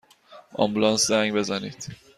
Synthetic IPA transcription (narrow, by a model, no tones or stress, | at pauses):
ɒ̰mbulɒnszæŋɡbezɒniːt̪